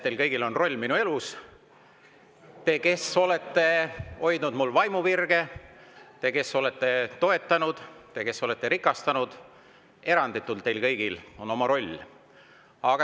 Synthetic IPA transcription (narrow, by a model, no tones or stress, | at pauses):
ejlkɤjɡ̥ilo̞nro̞lʲːminue̞lus | t̪e̞ke̞so̞le̞t̪ːe̞o̞jd̪nud̪mulːvɑjmuvirɡ̥e̞ | t̪e̞ke̞so̞le̞t̪ːˑe̞t̪o̞e̞t̪ːˑɑnud̪̥t̪e̞ke̞so̞le̞t̪ːe̞ɾikˑɑst̪ɑnud̪̥ | e̞ɾɑnd̪̥it̪ːˑult̪ːe̞jlkɤjɡ̥ilo̞no̞mɑɾo̞lʲː | ɑɡ̥ɑ